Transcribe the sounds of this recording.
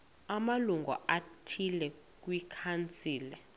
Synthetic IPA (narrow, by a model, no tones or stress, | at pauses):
amaluŋɡʱɔ̰ʔatʰilɛ | k̬ʼwikʰant͡sʼiːli